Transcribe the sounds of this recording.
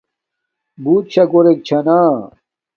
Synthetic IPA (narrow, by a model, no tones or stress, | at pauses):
buːt̪̚ɕʰɐɡoɾek̚t͡ɕʰɐnaː